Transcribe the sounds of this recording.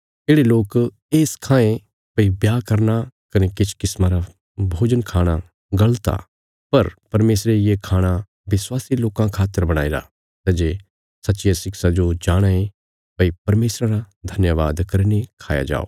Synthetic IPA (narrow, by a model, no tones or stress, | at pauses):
eːɽeloːk | eːskʰãːẽ | pɐibjaːkɐɾnakɐnekɪt͡ʃʰkɪsmãɾa | bʱoːd͡ʒənkʰaːɽ̃a | ɡɐlt̪a̰ | pɐɾpɐɾmeːsɾejekʰaːɽ̃a | ʋɪswaːsiloːkãkʰaːt̪ːəɾbɐɽ̃a̰ːiɾa̰ | t̪ɐːd͡ʒe | sɐtːʃɪjasɪksad͡ʒod͡ʒaːɽ̃ae | pɐipɐɾmeːsɾãɾa | d̪ʱɐnjəʋa̰ːd̪kɐɾinekʰaːja̰d͡ʒa̰ːo̰ː